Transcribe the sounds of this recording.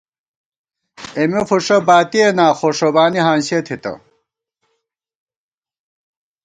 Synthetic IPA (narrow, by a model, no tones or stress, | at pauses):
emefuʂɐbaːt̪ienaːxoʂobaːniɦãːnɕet̪ʰit̪ɐ̰